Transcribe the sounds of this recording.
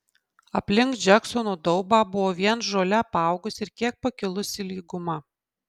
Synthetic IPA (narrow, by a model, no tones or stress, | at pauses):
ɐpʲlʲɪŋk̪d͡ʒʲɛksɔnoːd̪ɔʊbɑːbʊʋoːʋʲiɛnʒoːlʲɛpɑˑʊɡʊsʲɪɾkʲiɛk̚pɐkʲɪlˠʊsʲɪlʲiːɡʊmɐ